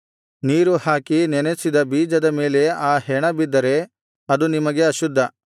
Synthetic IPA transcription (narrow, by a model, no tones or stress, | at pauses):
niːɾuhaːkinɛnesid̪ɐbiːd͡ʒɐd̪ɐme̞ːle̞aːhɛɳɐbid̪ːɐɾe̞ | ɐd̪unimɐɡe̞ɐʃud̪ʱːɐ